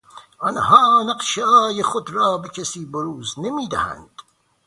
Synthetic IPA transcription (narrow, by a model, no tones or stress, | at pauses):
ɑnhɑːnæqʃeɑːjeχod̪ɾɑːbecʰesiːboɾuːznemiːd̪æ̰hæ̰nd̪̥